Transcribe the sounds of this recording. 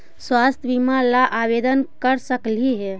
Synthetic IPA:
swast̪ʰjbimalaʔabed̪ənkəɾsəkliɦɛ

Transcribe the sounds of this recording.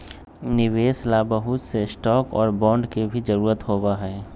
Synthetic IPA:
nɪʋeːslabəɦʊt̪sesʈɔːkɔːɾbɔ̃ːɳɖkebʱid͡ʒəɾuːɾət̪ɦoːbaɦɛː

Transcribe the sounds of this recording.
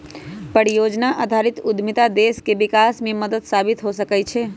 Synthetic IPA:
pəɽijod͡ʒnaʔad̪ʱaɾit̪ud̪ʱmit̪ad̪eskebikasmẽməd̪əd̪sabit̪ɦosəkɛt͡ʃʰɛ

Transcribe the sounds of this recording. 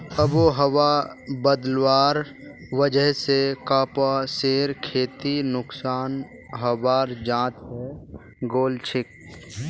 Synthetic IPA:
əboːɦəwabəd̪lwaːɾ | ʋəd͡ʒəɦsekaːpaseːɾkʰeːt̪inʊksaːn | ɦəwaːɾd͡ʒãːt̪ɦɛ | ɡoːlt͡ʃʰɪk̚

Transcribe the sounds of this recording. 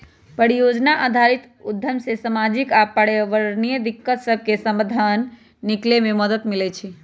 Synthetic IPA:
pəɽijod͡ʒnaʔad̪ʱaɾit̪ | ud̪ʱjəmsesamad͡ʒikapəɽəʋəɾnijəd̪ikːət̪səb̚ʱkesəmbəd̪ʱanː | iklememəd̪ət̪milɛt͡ʃʰi

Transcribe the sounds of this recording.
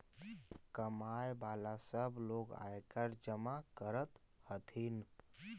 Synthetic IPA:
kəmajbalasəbloɡa̰ekəɾd͡ʒəmakəɾət̪hət̪ʰin

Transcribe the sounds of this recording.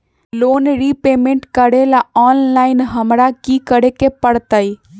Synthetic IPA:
lonɾipemeɳʈkəɾelaɔnlaɪnɦəmɾakikəɾekepəɽt̪əj

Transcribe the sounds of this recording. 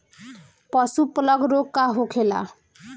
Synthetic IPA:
pʌsuplʌɡɾokːaɦokʰela̰

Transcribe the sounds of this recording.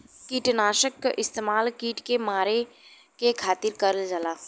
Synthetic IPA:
kiːʈnaːʃəkɪst̪eːmaːlkiːʈkemaːɾe | kekʰaːt̪ɪɾkɐɾəld͡ʒəlaː

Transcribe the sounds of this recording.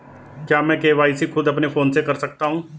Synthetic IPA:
kjaːmɛ̃ːkeːʋaːisikʰʊd̪ɐpnefʰoːnsekɐɾsɐk̚t̪aɦũː

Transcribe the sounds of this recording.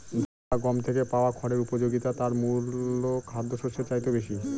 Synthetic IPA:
d̪ʱaaɡɔmt̪ʰekepaoakʰɔɾeɾupod͡ʑoɡit̪at̪aɾmulokʰad̪ʱːoʃoʃet͡ɕajt̪obeʃi

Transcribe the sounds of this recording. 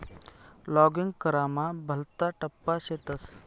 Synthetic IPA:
lɔːɡɪŋɡkɐɾaːmabʱɐlt̪aʈɐpːaʃet̪ɐs

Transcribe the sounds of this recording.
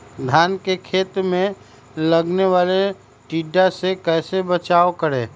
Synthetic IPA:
d̪ʱaːnkekʰeːt̪ɾmẽ | ləɡneʋaːle | ʈiːɖːasekɛːsebət͡ʃaːokəɾẽː

